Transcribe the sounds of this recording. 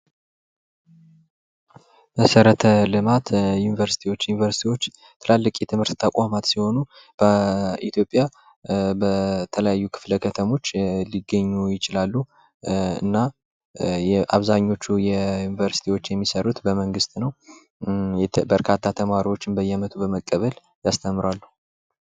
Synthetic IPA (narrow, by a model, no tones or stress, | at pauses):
məsəɾət̪ʰəlɨmat̪junivəɾsi̥t̪ʰiwo̞t͡ʃːjunivəɾsi̥t̪ʰiwo̞t͡ʃː | t̪ʰɨlalːɨkʼjɛt̪ʰɨmhɨɾt̪t̪ʰːəkʷʼamat̪siho̞nu | b̥əit̪ʰjo̞pʼja | bət̪ʰələjajːukʰɨ̥fləkʰət̪ʰəmo̞t͡ʃːliɡːəɲːujɪt͡ʃɪlalːu | ɨ̰nːa | jɛʔaβzaɲːo̞t͡ʃːujɛjunivəɾsi̥t̪ʰiwo̞t͡ʃːjɛmːisəɾut̪bəməŋɡɨst̪ʼnəw | bəɾkʰat̪ʰːat̪ʰəmaɾiwo̞t͡ʃːɪnbəjːɛmət̪ʰubəməkʼːəβəl | jast̪ʰəmːɨɾwalːuh